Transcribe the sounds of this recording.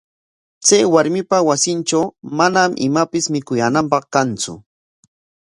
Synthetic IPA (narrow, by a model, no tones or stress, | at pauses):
t͡sajwaɾmɪpawasɪnʈ͡ʂawmanamʔɪ̰mapɪsmɪkʊjaːnampɑχkant͡sʊ̰